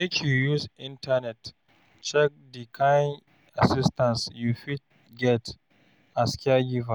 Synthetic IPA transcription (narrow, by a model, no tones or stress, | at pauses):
mekʲjujusʔɪntanɛt | t͡ʃɛk̚dikʰan | ʔasɪstansjuɸit̚ | ɡʲɛt | ʔaskʲɪaɡʲifa